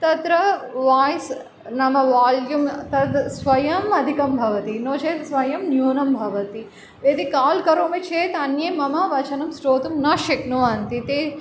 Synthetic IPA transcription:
t̪ɐt̪ɾɐʋaːjs | nɐmɐʋaːljumt̪ɐd̪sʋɐjɐmɐd̪ʱikɐmbʱɐʋɐt̪inoːt͡ʃʰeːt̪sʋɐjɐmnjuːnɐmbʱɐʋɐt̪i | ed̪ikaːlkɐɾoːmit͡ʃʰeːt̪ɐnjɐjmɐmɐʋɐt͡ʃɐnɐmsɾoːt̪umnɐʃɐknoːant̪it̪eː

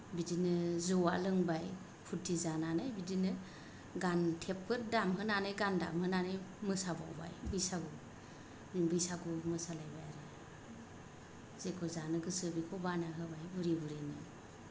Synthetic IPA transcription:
bidinɯzɔwa̰lɯŋbaj | pʰudizananajbidinɯ | ɡantʰepːɯɾdamɦɯnanɯjɡanda̰mhɯnanɯjmɯsaba̰wba̰jbɯjsaɡɔ | nbɯjsaɡɔmɯsalajbajaɾa | z̥ekʰɔzanɯɡɯsɯbikʰɔbanaɦɯbajbɯɾibɯɾenɯ

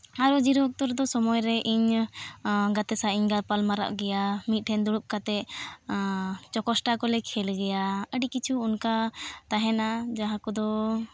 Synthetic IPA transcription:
aɾɔd͡ʒiɾuɔk̚t̪ɔɾd̪ɔsɔmɔjɾɛʔiɲ | ɡat̪ɛsaiɲɡalpalmaɾa̰ʔɡɛjamit̪̚ʈʰɛnd̪uɽuʔ̚kat̪ɛ | t͡ʃɔkɔsʈakɔlɛkʰɛlɡɛjaəɖikit͡ʃʰuːnkat̪aɦɛnad͡ʒaɦãkɔd̪ɔ

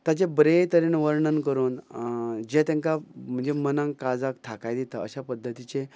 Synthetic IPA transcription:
t̪jat͡ɕebɾet̪əɾenʋəɾɳənkəɾuːn | d͡ʑẽt̪ãŋkam̤əɳd͡zemənãŋkkad͡zak̚t̪ʰakajd̪it̪aə̰ɕapəd̪ʱːət̪it͡ɕẽ

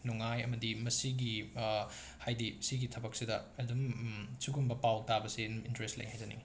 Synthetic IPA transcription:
nuŋajɐ̰mɐdimɐsiɡi | hajdisiɡitʰɐbɐk̚sidɐɐdumsuɡumbɐpawk̚tabɐsiintɾestlḛŋhajdɐnḭ

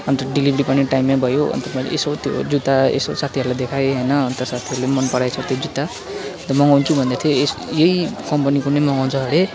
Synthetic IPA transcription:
ʌnt̪ʌɖilibɾipʌniʈajmːabʱʌjoʌ̰nt̪ʌpajḛsot̪jo̰d͡zut̪aḛsosat̪ʰiɦʌɾulad̪ekʰajɦʌjnʌːnt̪ʌsat̪ʰiʌɾulemʌnpʌɽajt͡sʰʌt̪jod͡zut̪a | ʌnt̪ʌmʌŋɡawnt͡sʰubʱʌnd̪at̪ʰjoesjejkʌmpʌnikunemʌŋɡawnt͡sʰʌɦʌɽe

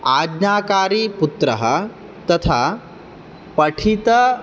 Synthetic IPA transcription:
aːd̪naːkaːɾiːput̪ɾɐ̰ɦə̰ | t̪ɐt̪ʰa | pɐʈʰit̪ɐ

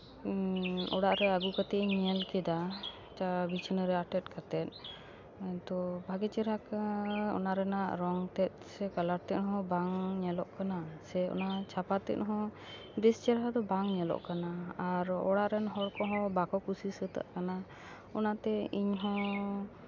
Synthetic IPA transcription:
ɔɽaʔɾɛaɡukat̪ɛiɲɛlkɛd̪a | t͡ʃabit͡ʃʰnəɾɛaʈɛt̪̚kʰat̪ɛt̪̚ˀ | t̪ɔbʱaɡit͡ʃiɾakɔ̰naɾɛnaʔɾɔŋt̪ɛt̪̚ˀsɛkalaɾt̪ɛʔ̪̚ˀɦɔ̃baŋɲɛlɔʔkanasɛɔ̰nat͡ʃʰapat̪ɛ̰t̪̚ˀɦɔ̃ | d̪ist͡ʃɛɾɦad̪ɔbaŋɲɛlɔ̰ʔkanaːɾɔ̰ɽaʔɾɛnɦɔɽkɔɦɔ̃bakɔkusisət̪a̰ʔkana | ɔnat̪ɛiɲɦɔ̃

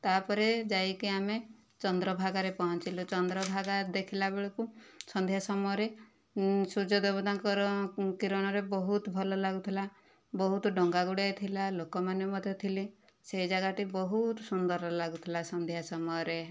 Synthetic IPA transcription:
t̪apɔɾed͡ʒajkiame | t͡ʃɔnd̪ɾɔbʱaɡaɾepɔɦɔnt͡ʃilɔt͡ʃɔnd̪ɾɔbʱaɡad̪ekʰilabeɭɔkusɔnd̪ʱjasɔmɔjɔɾe | sud͡ʒɔd̪ebɔd̪aŋkɔɾɔkiɾɔñɔɾebɔɦut̪ɔbʱɔlɔlaɡut̪ʰila | bɔɦut̪ɔɖɔŋɡaɡuɽajt̪ʰilalokɔmanemɔd̪ʱjɔt̪ʰili | seid͡ʒaɡaʈibɔɦut̪sund̪ɔɾɔlaɡut̪ʰilasɔnd̪ʱjasɔmɔjɔɾe

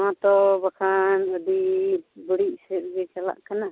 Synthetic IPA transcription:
ãt̪ɔbakʰanədibəɽiʔsɛɾ̚ɡɛt͡ʃala̰ʔkana

